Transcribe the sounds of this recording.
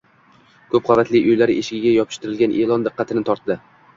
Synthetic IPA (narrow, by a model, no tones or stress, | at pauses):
kʰɵp̚qʰɑvat̪lɪʔʊjlaɾɪeʃɪɡʲɪɡʲajɒpʰɪ̥ʃt̪ɪɾɪlɡʲanʔe̞lˠɒnd̪ɨqːɑt̪ʰɪnɪt̪ʰɒɾt̪d̪ːɪ